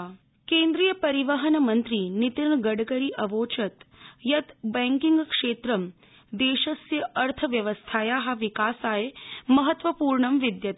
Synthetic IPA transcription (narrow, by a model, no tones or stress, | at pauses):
keːnd̪ɾiːjəpɐɾiʋɐɦɐnɐmɐnt̪ɾiːnit̪iɾɳɡɐɽɡɐɾiːʔɐʋoːt͡ʃɐt̪jɐt̪bɛ̃ŋkiŋɡkʂeːt̪ɾɐm | d̪eːʃɐsjɐʔɐɾt̪ʰɐʋjɐʋəst̪ʰaːjaːɦaʋikaːsaːjemɐɦɐt̪ʋɐpuːɾɳɐmʋid̪jɐt̪